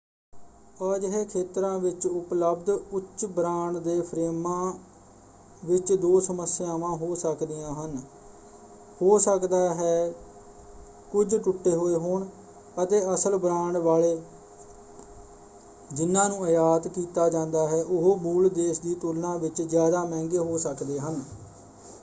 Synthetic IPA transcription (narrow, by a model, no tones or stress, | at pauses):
əːd͡ʒəɦeːkʰeːt̪ɾãːʋɪt͡ʃʊpləbd̪ʊtːʃbɾãːɳɖd̪eːpʰɾeːmãː | ʋɪt͡ʃd̪oːsəməsːɪjaːʋãːɦoːsəkd̪ɪjãːɦən | hoːsəkd̪aːɦɛː | kʊd͡ʒʈʊʈːeːɦoːeːɦoːɳ | ət̪eːəsəlbɾãːɳɖʋaːleː | d͡ʒɪnːãːnũːəjaːt̪kiːt̪aːd͡ʒãːnd̪aːɦɛːʔʊɦoːmuːld̪eːʃd̪iːt̪ʊlnãːʋɪt͡ʃzjaːd̪aːmɛ̃ːŋɡeːɦoːsəkd̪eːɦən